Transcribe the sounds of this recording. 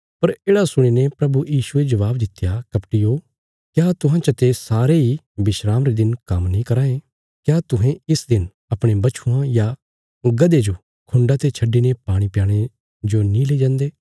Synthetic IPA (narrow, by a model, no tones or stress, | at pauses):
pɐɾeːɽasʊɽ̃inepɾɐbujiːʃued͡ʒɐʋaːbd̪ɪt̪ːjakɐpʈijoː | kjaːt̪ʊɦãt͡ʃɐt̪esaːɾei | bɪʃɾaːmɾed̪ɪnkɐmnĩːkɐɾaːẽ | kjaːt̪ʊɦẽɪsd̪ɪn | ɐpɽ̃ebɐt͡ʃʰuãja | ɡɐd̪ed͡ʒo | kʰʊ̃ɳɖat̪et͡ʃʰɐɖːinepaːɽ̃ipjaːɽ̃e | d͡ʒonĩleːd͡ʒãːnd̪eː